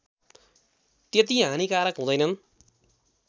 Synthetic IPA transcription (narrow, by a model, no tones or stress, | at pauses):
t̪et̪̬iɦãnikaːɾʌkɦũd̪ʌjnʌn